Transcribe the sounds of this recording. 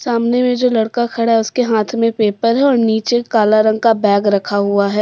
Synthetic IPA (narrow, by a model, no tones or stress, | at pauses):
saːmnemẽd͡ʒoːlɐɽkakʰɐɽaɦɛʊskeɦaːt̪ʰmẽpeːpəɾɦɛɔːɾniːt͡ʃekaːlaɾɐ̃ŋɡ̚kabɛːɡɾɐkʰaɦuaɦɛː